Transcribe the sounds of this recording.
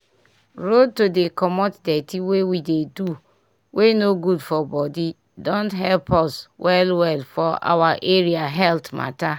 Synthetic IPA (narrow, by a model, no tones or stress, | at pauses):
ɹod̚todekʰɔmɔtdɛtʰiwewidedu | wʔenoɡudfɔbɔdi | dɔ̃ntɦɛlpʰɔswɛlwɛlfɔa̰waʔeɾiaɦɛltma̰ta